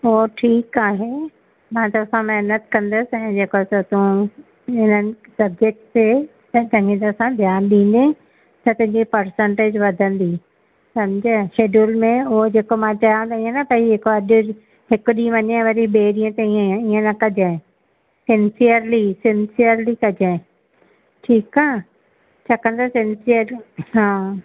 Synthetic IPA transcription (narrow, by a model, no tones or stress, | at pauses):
oɦoʈʰiːkaːɦe | mãt̪ɐɐsãmɛɦnət̪kɐ̃nd̪əsɪɛ̃ɪ̃d͡ʑeːkot̪ot̪ũ | ɦɪnənɪ̆ | sɐbekt̪e | t̪ɐ̃ɦɡĩt̪ɐɐsãd̪ʱjaːnɗĩːn̆d̪e | t̪ɐt̪ʊ̃ɦɪ̃ɲd͡ʑipɐɾsə̃ɳʈeːd͡ʑʋɐd̪ʱə̃nd̪i | sɐmd͡ʑəʃeːɖulmẽʊɦod͡ʑeːkomãt͡ɕãːt̪aĩə̃nɐpɐiɦɪkoɐɗʊ | ɦɪkʊɗĩːə̃ʋɐɲãʋɐɾiɓeːɗĩːə̃t̪eĩiːə̃nɐkɐd͡ʑãɪ̃ | sɪ̃nsijəɾlisɪ̃nsiəɾlikɐd͡ʑãɪ̃ | ʈʰiːkaː | t͡ɕʰɐkə̃ñd̪asɪnsiəɾɦãː